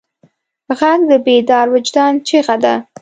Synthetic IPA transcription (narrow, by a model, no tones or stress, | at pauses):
əɣakd̪əbed̪ɑɾwɪd͡ʒd̪ɑnt͡ʃeɣad̪a